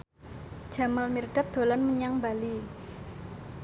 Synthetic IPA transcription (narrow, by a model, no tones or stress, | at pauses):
d̥ʒ̥a̤malmirɖ̥a̤t̪̚d̪̥o̤lanməɲaŋbali